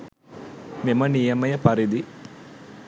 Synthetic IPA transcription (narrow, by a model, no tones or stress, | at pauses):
memənijɐmɐjəpɐɾid̪i